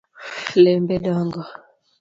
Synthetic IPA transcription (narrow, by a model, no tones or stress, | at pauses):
lɛmbɛdɔŋɡɔ